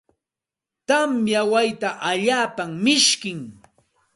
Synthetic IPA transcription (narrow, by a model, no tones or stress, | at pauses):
t̪amjawajt̪aʔaʎaːpammɪʃkɪŋ